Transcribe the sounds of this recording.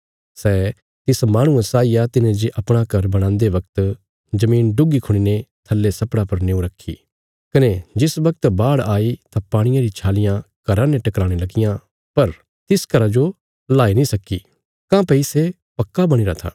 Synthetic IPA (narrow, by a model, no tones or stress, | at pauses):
sɛː | t̪ɪsmaːɽ̃ũẽsaːijat̪ɪnẽd͡ʒiʔɐpɽ̃akɐɾbɐɽ̃ãːnd̪eʋɐkt̪ | d͡ʒɐmĩːnɖʊɡikʰʊɽ̃inet̪ʰɐlːesɐpɽapɐɾneːũɾɐkʰːḭ | kɐned͡ʒɪsʋɐk̚t̪baːɽaːit̪apaːɽ̃ɪjãɾit͡ʃʰaːlɪjãkɐɾãnẽʈɐkɾaːɽ̃elɐɡɪjã | pɐɾ | t̪ɪskɐɾad͡ʒo | laːinĩsɐki | kãpɛise | pɐkːabɐɽ̃iɾat̪ʰa̰ː